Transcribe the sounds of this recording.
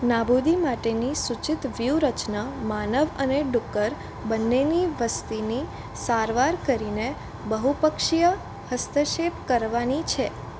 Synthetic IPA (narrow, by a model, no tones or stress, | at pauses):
nabud̪imaʈenisut͡ʃɪt̪ʋjuɾət͡ʃnamanəʋəneɖukːəɾ | bənːeniʋəst̪ini | saɾʋaɾkəɾine | bəɦupəkʃijə | həst̪ʰəʃepkəɾʋanit͡ʃʰe